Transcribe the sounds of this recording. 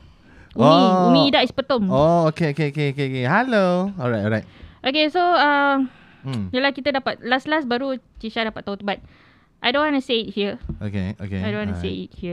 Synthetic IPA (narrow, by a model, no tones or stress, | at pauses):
ʔuoĩumĩidaʔispət̪ɔmookeokeokeokeokeɦɛloɔɹajt̚ɔɹajt̚ʔokesoa | jəlahkit̪ədapat̪̚laslasbaɾut͡ʃiʃadapat̪̚ːaũt̪ubat̪̚ | ʔajdõnwantuseit̚hiəo̰kḛo̰kḛajdõnwãnuseit̚hiə